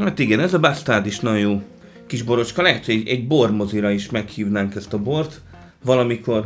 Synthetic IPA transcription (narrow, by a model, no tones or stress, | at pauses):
hat̪iɡɛnɛzɒbast̪aːd̪iʃnɒjuː | kiʒbo̞ɾo̞t͡ʃkɒlɛɦɛt̪hojɛɟɛɟbormo̞ziɾɒiʃmɛkhiːvnaːŋkɛst̪ɒbort̪ | ʋɒlɒmiko̞r